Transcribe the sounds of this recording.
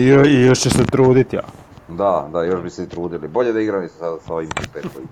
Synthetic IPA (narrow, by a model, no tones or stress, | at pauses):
ijoijoʃt͡ɕeset̪ɾuːd̪it̪ja̰ | d̪ad̪ajoʃbiset̪ɾuːd̪ilibo̞ʎed̪aiɡɾaisasaoʋimpup̪ekoi